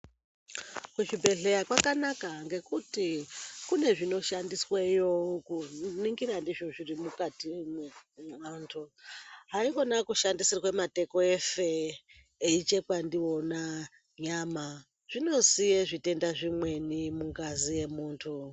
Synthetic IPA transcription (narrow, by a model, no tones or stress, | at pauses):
kuʃibʱe̞ɬe̞jakwakanakaŋɡe̞kutikune̞ʐino̞ʃandiswejokuniŋɡirandiʐoʐirimukatimemantʰuɦaio̞nakuʃandisirwemate̞ko̞e̞feː | it͡ʃekwandio̞na | ɲama | ʐ̥ino̞sijeʐite̞ndaʐimwe̞nimuŋɡazije̞muːntʰu